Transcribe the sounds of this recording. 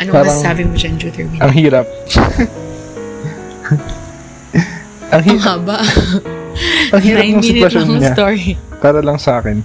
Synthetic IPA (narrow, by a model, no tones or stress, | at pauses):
ʔɐnopaːɾɐŋsaːbɪmod͡ʒɐnd͡ʒut̪ɛbiʔɐŋɦiːɾɐp̚ | ʔɐŋɦiːmaːbaʔ | ʔɐŋhiːɾɐnʊŋmsiɪnɪwɐsjoɐnɲast̪oɹipaːɾɐlɐŋsɐʔaːkɛn